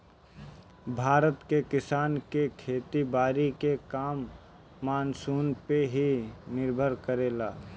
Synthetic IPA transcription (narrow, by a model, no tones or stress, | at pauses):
bʱaːɾət̪kekɪsaːnkekʰeːt̪ibaːɾikekaːmː | aːnsuːnpeɦinɪɾbʱəɾkəɾeːlaː